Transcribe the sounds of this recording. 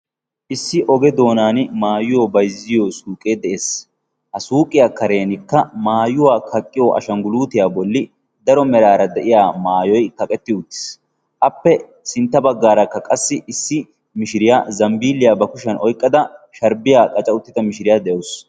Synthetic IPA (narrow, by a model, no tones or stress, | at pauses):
ʔɪsːɪʔɔɡɛd̪o̞ːnaːnmaːjʊjobɐjzːɪjoːsuːkʼe̞ːd̪ɛʔeːs | hɐsuːkʼɪjakɐɾe̞ːnɪkːɐmaːjʊwaːkʰɐkʼːɪjoːʔɐ̰ʃɐŋɡʊluːt̪ɪjaːbɔlːɪ | d̪ɐɾɔmɛɾaːɾɐd̪ɛʔɪjaːmaːjɔjkɐkʼɛt̪ːɪʊt̪ːɪ̥s | ʔɐpːɛ | sɪnt̪ːɐbɐɡːaːɾɐkːɐkʼɐsːɪʔɪsːɪ | mɪʃɪɾɪjaːzɐmbiːlːɪjaːbɐkʊʃɐnʔɔjkʼːɐd̪ɐʃɐɾbɪjaːkʼɐt͡ʃʼɐʊt̪ːɪt̪ɐmɪʃɪɾɪjaːd̪ɛjɐʊs